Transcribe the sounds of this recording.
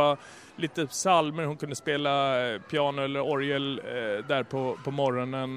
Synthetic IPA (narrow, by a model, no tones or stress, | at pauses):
a | liːt̪əsalməɾhʊnkʰɵnd̪əspeːlapʰjɑːnɛlːəɾɔɾəld̪æɾpʰɔpʰɔmɔɾɔnən